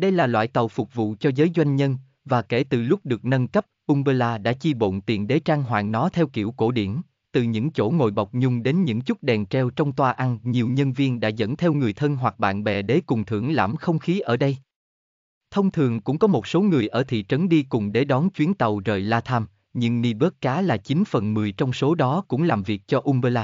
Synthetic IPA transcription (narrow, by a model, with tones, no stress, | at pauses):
ɗə˧jlaː˨˩lwa̰ː˧˨jt̪ə˨˩wfʊ˨˩k͡p̚vṵ˧˨t͡ɕɔ˧zəː˨˦jzwa˧jŋ̟ɲə˧n | vaː˨˩ke˧˩t̪ɨ˨˩lʊ˦˥k͡p̚ɗɨ˨˩ək̚nə˧nkə˦˥p̚ʔʊ˧ŋ͡mɓəː˧laː˧ɗa̰ː˧˥t͡ɕi˧ɓo̰˧˨nt̪ḭ˨˩ənɗe˨˦t͡ɕaː˧ŋɦwa̰ː˧˨ŋnɔ˨˦t̪ʰɛ˧wkḭ˧˩əwko˧˩ɗḭ˧˩ən | t̪ɨ˨˩ɲɨ̰˧˥ŋt͡ɕo̰˧˩ŋo̰˧˨jɓa˨˩wk͡p̚ɲʊ˧ŋ͡mɗe˨˦nɲɨ̰˧˥ŋt͡ɕʊ˦˥t̚ɗɛ˨˩nt͡ɕɛ˧wt͡ɕɔ˧wŋ͡mt̪waː˧ʔa˧nɲi˨˩əwɲə˧nvi˧ənɗa̰ː˧˥zə̰˧˥nt̪ʰɛ˧wŋɨ˨˩əjt̪ʰə˧nɦwa˨˩k̚ɓa̰ː˧˨nɓɛ̰˧˩ɗe˨˦kʊ˨˩ŋ͡mt̪ʰɨ̰˧˩əŋla̰ː˧˩mxə˧wŋ͡mxi˨˦ʔəː˧˩ɗə˧j | t̪ʰə˧wŋ͡mt̪ʰɨ˨˩əŋkʊ̰˧˥ŋ͡mkɔ˨˦mo˨˩t̚so˨˦ŋɨ˨˩əjʔəː˧˩t̪ʰḭ˧˨t͡ɕə˨˦nɗi˧kʊ˨˩ŋ͡mɗe˨˩ɗɔ˨˦nt͡ɕwi˨˦ənt̪ə˨˩wzəː˨˩jlaː˧t̪ʰaː˧m | ɲɨ̰˧ŋni˧ɓə˦˥kːaː˨˦laː˨˩t͡ɕi˨˦nfə̰˨˩nmɨ˨˩əjt͡ɕɔ˧wŋ͡mso˨˦ɗɔ˨˦kʊ̰˧˥ŋ͡mlaː˨˩mvi˨˩ək̚t͡ɕɔ˧ʔu˧ŋ͡mɓəː˧laː˧